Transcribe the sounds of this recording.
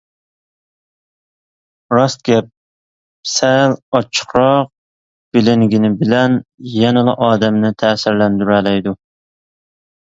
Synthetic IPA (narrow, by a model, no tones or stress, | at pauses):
ɾɑst̪̚ɡʲɛp̚ | sɛlɑt͡ʃʰə̥χɾɑq̚ | b̥ɪlɪŋɡʲinɪbɪlɛnjɛnɨlˠɨ̰ʔɑːd̪ɛmnɪt̪ʰɛːsɪɾlɛnd̪yɾɛlɛjd̪u